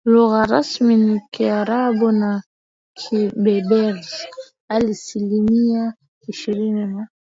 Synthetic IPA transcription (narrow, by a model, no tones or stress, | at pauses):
loɣaɾasminikiaɾabona | kʰibɛbɛɾz | alisilinia | iʃiɾinɛma